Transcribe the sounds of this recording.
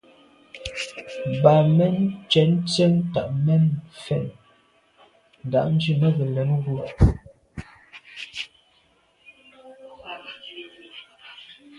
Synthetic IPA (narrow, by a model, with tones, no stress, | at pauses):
ba˨mɛ˦nt͡ʃɛ˨˦n˦t͡sɛ˦ŋta˨ʔmɛ˦nfɛ˦˨n | n̩˨da̰˨ʔn̩˦d͡ʒʉ˦mə˦ɣə˨lɛ˨˦nɣu˦